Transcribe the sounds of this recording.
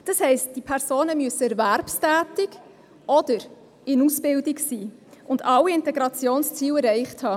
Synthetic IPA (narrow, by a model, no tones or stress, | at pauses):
d̥ɑshɛɪst̚d̥ipʰɛɾsoːnəmyəsəɛɾvæɾpstæːtɪɡ | ɔd̥əɾ | ɪnusb̥ɪldɪksiːʔʊndɑwiɪntɛɡɾɑt͡sjoːnst͡siːwɛɾɛɪχthɑː